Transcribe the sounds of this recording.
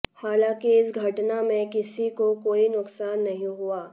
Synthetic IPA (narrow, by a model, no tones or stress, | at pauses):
haːlãːkiɪsɡʱɐʈnamẽkɪsikokoːinʊqsaːnːɐɦĩɦuaː